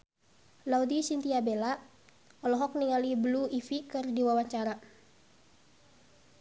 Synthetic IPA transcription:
laud̪isint̪iabelaʔ | ɔlɔɦɔk̚niŋalibəluifikɨrdiwawaɲt͡ʃaɾa

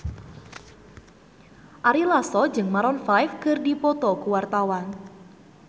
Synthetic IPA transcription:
ʔaɾilasɔd͡ʒɨŋmaɾɔnfajfkərdipɔt̪ɔkuwart̪awan

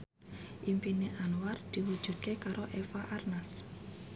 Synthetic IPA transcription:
ʔimpineʔanward̪̥i̤hud̥ʒ̥ṳd̪̥̚kekaɾoʔefaʔarnas

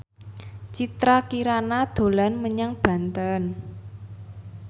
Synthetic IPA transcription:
t͡ʃit̪ɾakiɾanad̪̥o̤lanməɲaŋb̥ä̤nt̪ən

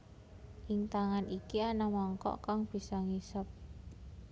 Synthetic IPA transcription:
ʔɪŋt̪aŋanikianamɔŋkɔ̰ʔkaŋb̥i̤sɔŋisəp̚

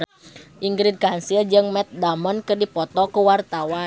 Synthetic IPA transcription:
ʔiŋɡɾid̚kansiəd͡ʒɨŋmɛt̪̚damɔnkɨrdipɔt̪ɔkuwart̪awa

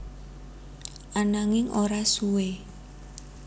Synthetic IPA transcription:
ʔanaŋɪŋʔoɾasuwe

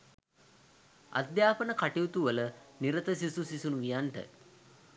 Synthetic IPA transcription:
a̰d̪jaːpənəkaʈiut̪uʋələniɾət̪əsisusisunuʋijanʈə̰

